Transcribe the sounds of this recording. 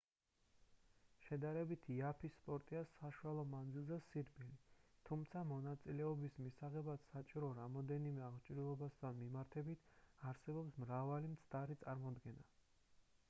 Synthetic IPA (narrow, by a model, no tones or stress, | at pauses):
ʃɛd̪aɾɛbit̪ʰiapʰisːpʼɔɾt̪ʼiasaʃualˠɔmand̪zilˠzɛsiɾbilit̪ʰumt̪sʰamɔnat̪sʼilɛɔbismisaʁɛbat̪sat͡ʃʼiɾɔɾamɔd̪ɛnimɛaʁt͡ʃʼɾilˠɔbast̪ʰanmimaɾt̪ʰɛbit̪ʰaɾsɛbɔpsmɾavalimt̪sʰd̪aɾit̪sʼaɾmɔd̪ɡɛna